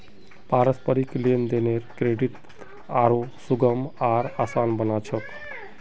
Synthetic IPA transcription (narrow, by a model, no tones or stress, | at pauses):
paɾəspəɾiklend̪eneɾkɾeɖiʈ̪ | aɾosuɡəmaɾasaːnbənat͡ʃʰək